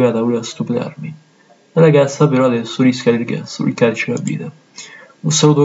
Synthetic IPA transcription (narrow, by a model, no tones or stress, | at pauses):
vaːt̪auleast̪upla̰rmi | aɾaɡasːapeɾɔad̪ɛsːoɾiskad̪ilɡa̰sṵlkad̪t͡ʃela̰bḭːd̪a | unsaluːt̪̬o